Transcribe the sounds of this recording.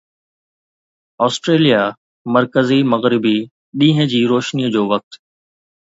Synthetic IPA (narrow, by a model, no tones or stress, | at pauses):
ɔːsʈɾeːlija | mɐɾkəzimɐɣɾɪbi | ɗĩːɦə̃d͡ʑiːɾoːʃnijəd͡ʑoːʋɐk̚t̪